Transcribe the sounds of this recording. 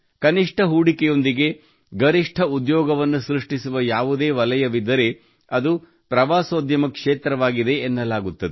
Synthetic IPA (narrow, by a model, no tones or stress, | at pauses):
kɐniʂʈʰɐɦuːɽikɛjo̞nd̪iɡe̞ | ɡɐɾiʂʈʰɐud̪jɔːɡɐʋɐnːusɾiʂʈisuʋɐjaːʋud̪e̞ːʋɐlɐjɐʋid̪ːɐɾe̞ | ɐd̪u | pɾɐʋaːsoːd̪jɐmɐkʂeːt̪ɾɐʋaːɡid̪e̞ːnːɐlaːɡut̪ːɐd̪e